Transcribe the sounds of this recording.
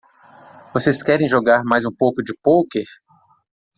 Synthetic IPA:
voseskɛɾẽj̃ʒoɡaɾmajzũpowkʊd͡ʒɪpowkeɾ

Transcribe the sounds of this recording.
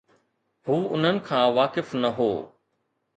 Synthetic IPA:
huːʊn̤ənɪ̆kʰãːʋaːkɪfnɐɦoː

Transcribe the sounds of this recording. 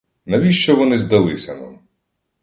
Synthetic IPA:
nɐʋʲiʃt͡ʃɔʋɔnɪzd̪ɐlˠɪsʲɐna̰m

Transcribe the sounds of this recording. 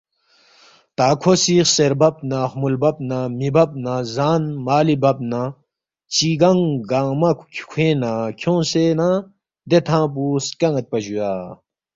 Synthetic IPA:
t̪aːkʰosiːxseɾbɐp̚nãhmulbɐp̚namibɐp̚nãzaːnmaːlibɐb̚na | t͡ɕiːɡɐŋɡaŋmɐkʰkʰkʰẽːnãkʰõːsenã | d̪et̪ʰãːp̬uːskɐŋɐt̪̚pɐʑujaː

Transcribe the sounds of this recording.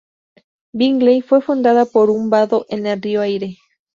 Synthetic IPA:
biŋɡlejfwe̞fund̪aðapo̞ɾumbaðo̞ʔenelrioajɾe̞

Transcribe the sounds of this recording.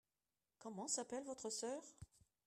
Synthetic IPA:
kɔmɑ̃sapɛlvɔt̪χəsœːʁ

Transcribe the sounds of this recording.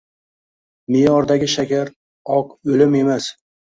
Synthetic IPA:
mɪjɒɾd̪aɡʲɪʃakʲaɾ | ɒqɵlɪme̞mas

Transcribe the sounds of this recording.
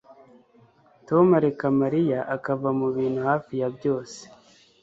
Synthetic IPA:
tomaɾekamaɾijaʔakavamuβiːn̥huhaːfijabjo̞ːse̥

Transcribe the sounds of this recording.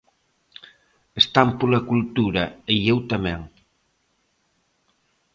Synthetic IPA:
est̪ampulakult̪uɾaejewt̪ameŋ

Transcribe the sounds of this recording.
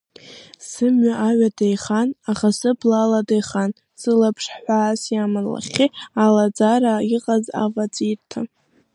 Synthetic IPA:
sɨmɥaʔaɥadejχanaχasɨblaladejχan | sɨlapʰʂħʷaːsjamanla̰χʲialad͡zaɾaiqʼaza̰vat͡sʼirtʰa

